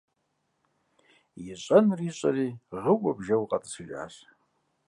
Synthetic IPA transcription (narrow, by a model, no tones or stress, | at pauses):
jɪɕʼɐnriːɕʼɐriːʁəwɐbʒɐwqʼɐtʼɨ̥sɨʒʼa̰ːɕ